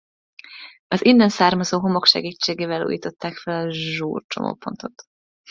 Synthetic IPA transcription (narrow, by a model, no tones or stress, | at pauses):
ɒzinːɛnsaːrmɒzoːɦo̞mo̞kʃɛ̰ɡiːt͡ʃːeːɡeːvɛlṵːjiːt̪o̞t̪ːaːkfɛlɒʒuːrt͡ʃo̞̰mʔo̰ːpo̞nt̪o̞t̪